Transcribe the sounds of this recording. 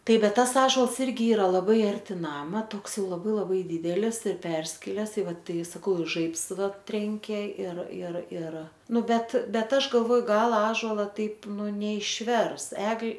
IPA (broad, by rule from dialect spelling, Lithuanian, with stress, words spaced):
ˈtɐɪp ˈbʲɛt ˈtɐs ˈɑːʒoːlˠs ˈɪrʲɡʲɪ ˈiːrɐ lˠɐˈbɐɪ ɐrʲˈtʲɪ ˈnɑːmɐ ˈtoːks ˈjɛʊ lˠɐˈbɐɪ lˠɐˈbɐɪ ˈdʲiːdʲɛlʲɪs ɪr ˈpʲɛrʲsʲkʲɪlʲɛs ɪ ˈʋɐ ˈtɐɪ sɐˈkɐʊ ɪ ˈʒɐɪps ˈʋɐ ˈtʲrʲɛŋʲkʲeː ɪr ɪr ɪr ˈnʊ ˈbʲɛt ˈbʲɛt ˈɐʃ ɡɐlˠˈʋoːjʊ ˈɡɐlˠ ˈɑːʒoːlˠɐ ˈtɐɪp ˈnʊ nʲɛɪʃʲˈʋʲɛrs ˈɛɡlʲ